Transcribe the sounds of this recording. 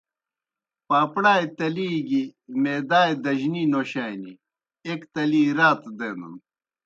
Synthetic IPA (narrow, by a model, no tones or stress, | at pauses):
paːpɽaːjt̪ɐliːɡimeːd̪aːjd̪ɐʑninoːɕaːjni | ekt̪ɐliːɾaːt̪d̪enṵn